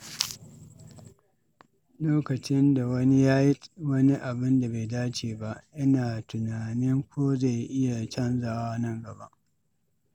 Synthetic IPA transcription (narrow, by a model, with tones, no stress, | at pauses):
loː˦kɐ˨t͡ʃɪ˦nda˨wɐ˦ni˦jaː˦ji˦wɐ˦ni˦ʔa˨bɪ˦nda˨ba˨jdaː˦t͡ʃeː˨ba˦ʔʔɪ˦naː˨tʊ˨naː˨nɪ˦ŋkʷoː˦za˦˨jʔɪ˦ja˨t͡ʃɐ˦nzaː˨wa˦nɐ˦˨ŋɡɐ˨ba˦ʔ